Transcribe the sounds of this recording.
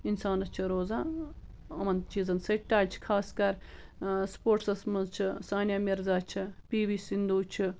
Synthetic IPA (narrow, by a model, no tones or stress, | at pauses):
insaːnɐt͡ʃʰiɾoːzaː | ɐmɐnt͡ʃiːzɐnsɐʈʈːaːt͡ʃʰi̥kʰaːskɐɾ | spoːʈsɐsmɐzt͡ʃʰisaːnʲjaːmeɾzaːt͡ʃʰipiːbiːsind̪uːt͡ʃʰi